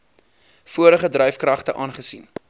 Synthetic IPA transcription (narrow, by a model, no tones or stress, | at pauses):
fuəɾəχədɾœjfkrɐχtəʔɑːnχəsin